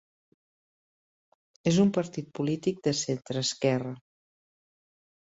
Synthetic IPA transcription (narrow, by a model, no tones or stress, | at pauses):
ezumpəɾt̪it̪̚pulit̪ik̚d̪əsent̪ɾəːskɛrə